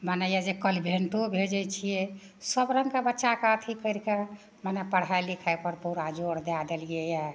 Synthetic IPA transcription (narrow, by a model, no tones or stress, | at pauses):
manɛjad͡ʒekəlibʱeɳʈobʱed͡ʒɛt͡ʃʰijɛ | səbɾəŋɡkabətːʃakaət̪ʰikəɾke | manɛpəɽ̤ajlikʰajpəɾpuɾad͡ʒoɽd̪ad̪eliɛjɛ